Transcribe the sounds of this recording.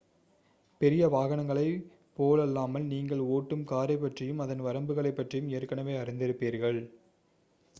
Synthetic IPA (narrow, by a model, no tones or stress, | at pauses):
pɛɾɪjɐʋaːɣɐnɐŋɡɐɭɐɪ | poːlɐlːaːmɐlniːŋɡɐɭoːʈːɯmkaːɾɐɪpːɐʈrɪjɯmɐðɐnʋɐɾɐmbɯɣɐɭɐɪpːɐʈrɪjɯmeːɾkːɐɳɐʋeːɐɾɪnd̪ɪɾɯpːiːɾɣɐɭ